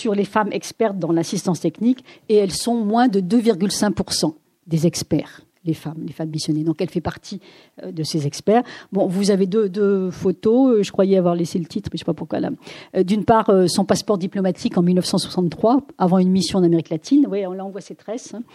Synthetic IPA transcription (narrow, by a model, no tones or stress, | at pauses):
syʁlefamʔɛ̰kspɛʁ̚d̪ɑ̃lasist̪ɑ̃st̪ɛknikeɛlsɔ̃mwɛ̃d̪əd̪øviʁɡʲylsɛ̃k̚puʁsɑ̃ | d̪ezɛkspɛːʁ | lefamlefamːisjɔned̪ɔ̃kɛlfɛpaʁt̪ʰi | ød̪əsezɛkspɛːʁbɔ̃vuzaved̪ød̪øfot̪oøʒəkwajɛavwaʁleselət̪ʰit̪χmɛʃe̥papuʁkwa̰la̰d̪ynpaʁøsɔ̃paspɔʁd̪iplɔmat̪ʰikɑ̃milnəfsɑ̃swḁsɑ̃nt̪ːχwaavɑ̃ynmisjɔ̃ɑ̃nameʁiklat̪ʰinvwajeɔ̃laɑ̃vwaset̪χɛsɛ̃